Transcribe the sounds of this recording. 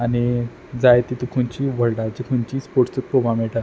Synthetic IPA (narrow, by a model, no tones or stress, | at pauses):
ani | d͡zajt̪it̪ukʰuɲt͡ɕiʋəɽɖat͡ɕikʰuɲt͡ɕiːspoɾʈt͡suk̚pobamɛɭʈa